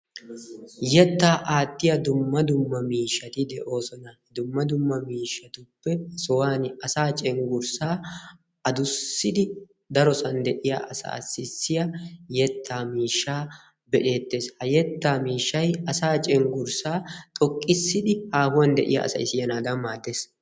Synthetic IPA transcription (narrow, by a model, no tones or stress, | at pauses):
jɛt̪ːaːʔaːt̪ːɪjɐd̪ʊmːɐd̪ʊmːɐmiːʃːɐt̪ɪd̪ɛʔo̞ːsɔnɐ | d̪ʊmːɐd̪ʊmːɐmiːʃːɐt̪ʊbːɛsɔwaːnɐsaːt͡ʃʼɛŋɡʊɾsaː | ɐd̪ʊsːɪd̪ɪ | d̪ɐɾɔsɐnd̪ɛʔɪjaʔɐsɐ̰ːsːɪsːɪjɐjɛt̪ʰːaːmiːʃːaː | bɛᶑe̞ːt̪ːeːshɐjɛt̪ːaːmiːʃːɐjɐsaːt͡ʃʼɛŋɡʊɾsaːt̪ʼɔkʼːɪsːɪd̪ɪhaːhʊwɐnd̪ɛ̰ʔɪjɐ̰ʔɐ̰sɐ̰jɪsɪjɐnaːd̪ɐnmːaːd̪ːe̞ːs